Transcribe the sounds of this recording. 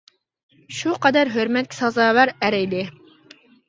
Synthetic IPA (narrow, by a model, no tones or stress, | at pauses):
ʃuqɑd̪æɾɦøɾmɛt̪̚kʲi̥sɑzɑːvæɾæɾɛjlɪ